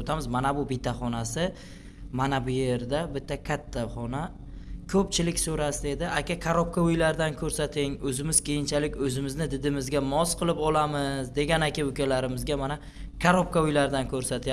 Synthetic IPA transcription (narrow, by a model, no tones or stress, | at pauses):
t̪ʰamɪzmanabʊbɪt̪ʰːaχɒnasɪ | manabʊje̞ɾd̪abɪt̪ːakʲʰat̪ʰːaχɒna | kʰɵp̚t͡ʃʰɪlɪkʲsɵɾasɪd̪e̞d̪ɪʔakʲakʰaɾop̚kaʊjlaɾd̪ankʰɵɾsat̪ʰɪŋɵzɪmɪz̥kʲʰejɪnt͡ʃʰalɪkʲɵzɪmɪznɪd̪ɪd̪ɪmɪzɡʲamɒsqʰɨlˠɪpɒlamɪzd̪e̞ɡʲanakʲaʊkʲʰalaɾɪmɪzɡʲamana | kʰaɾop̚kaʊjlaɾɪd̪ankʲʰɵɾsat̪ʰja